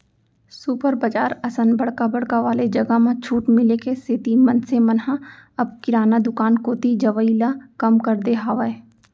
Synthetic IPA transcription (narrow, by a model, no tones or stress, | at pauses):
supəɾbəd͡ʒaːɾɐsə̃nbɐɽkabɐɽkaʋaːled͡ʒɐɡamãt͡ʃʰuːʈmɪlekeset̪imɐnsemɐnɦãɐb̚kɪɾaːnad̪ʊkaːnkoːt̪id͡ʒɐʋəilakɐmkɐɾd̪eɦaːʋae